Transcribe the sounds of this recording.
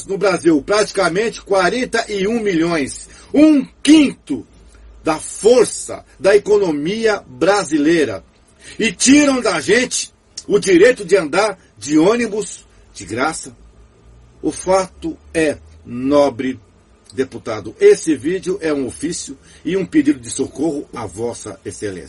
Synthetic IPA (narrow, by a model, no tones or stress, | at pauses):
znʊbɾaziwpɾat͡ʃi̥kɐmẽnt͡ʃɪ̥kwaɾẽnt̪ɐʔɪũmiʎõj̃s | ũkĩnt̪ʊ | d̪ɐfoɾsɐ̰d̪ɐekonõmiɐbɾazilejɾɐ̰ | ɪt͡ʃiɾɐ̃w̃d̪ɐʒẽt͡ʃɪ̥ | ʊd͡ʒiɾejt̪ʊd͡ʒɪɐ̃nd̪aɾ | d͡ʒɪõnibʊs | d͡ʒɪɡɾasɐ | ʊfat̪ʊɛ | nɔbɾɪ | d̪eput̪ad̪ʊʔesɪvid͡ʒjʊʔɛũofisjʊ | ɪũped͡ʒid̪ʊd͡ʒɪsokohʊɐvɔsɐ̰esḛlḛ̃sɐ